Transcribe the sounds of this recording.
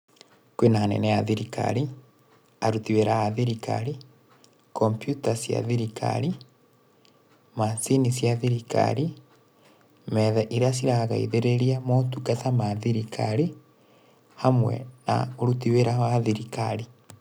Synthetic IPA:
kwenaanɛ̰nɛjaðiɾika̰ɾi | aɾutiweɾaaðiɾika̰ɾi | kompjutasja̰ðiɾikʰa̰ɾi | masinisjaðiɾika̰ɾi | mɛðɛʔiɾeasiɾaɣaiðeɾeɾiamotukatamaðiɾikʰa̰ɾi | hamwɛ̰na̰oɾutiweɾahoaðiɾika̰ɾi

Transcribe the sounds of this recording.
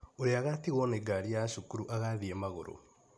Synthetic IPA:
oɾeaɣatiɣɔneɡaɾijaʃukuɾuʔaɣaðiemaɣo̰ɾo̰

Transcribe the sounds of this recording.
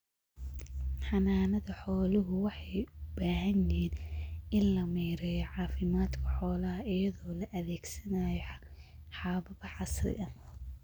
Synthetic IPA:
ħɑnaːnɐðɐħɔːlʊɦʊwɑħɑjʊbaːɦɐnɛːnɪnlɐmiːɾɛjɔʕɑːfɪmaːd̪kʰɐħɔːlɐɦɐʔɪjɐðɔːlɐʔɐðɛːɡsɐnajɔħħɑːβɐβɐħɑsrɪ̰ɐm

